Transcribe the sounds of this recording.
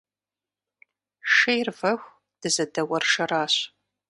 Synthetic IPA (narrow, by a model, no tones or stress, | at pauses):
ʂejrvɐxʷ | d̥ɨzɐdɐwɐrʂɐraːɕ